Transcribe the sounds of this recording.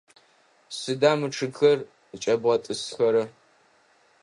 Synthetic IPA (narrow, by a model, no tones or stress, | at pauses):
sɨdaːmɨʈ͡ʂʰɨɡxɐr | t͡ʃʼɐbʁɐtʼɨsxɐɾɐ